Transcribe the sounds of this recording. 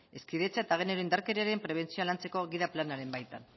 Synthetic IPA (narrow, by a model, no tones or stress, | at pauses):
e̞skiðe̞t͡saet̪aɣ̞ene̞ɾoind̪aɾke̞ɾiaɾe̞mpɾe̞β̞e̞nt͡sioalant͡se̞ko̞ɣiðaplanaɾe̞mbajt̪an